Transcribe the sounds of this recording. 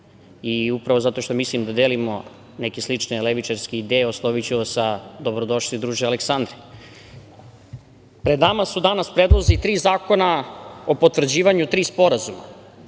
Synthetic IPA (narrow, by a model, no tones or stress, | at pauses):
iupɾaʋo̞zat̪o̞ʃt̪omislimd̪ad̪eːlimo̞ | nekeslit͡ʃneleʋit͡ʃaɾskeid̪eːjeoslˠoʋit͡ɕuosad̪o̞bɾod̪o̞ʃlid̪ɾuːʒealeksand̪ɾe | pɾed̪namasud̪anaspɾed̪lˠozit̪ɾiːzaːko̞naopot̪ʋvr̩d͡ʑiːʋaɲut̪ɾiːspo̞ɾazuma̰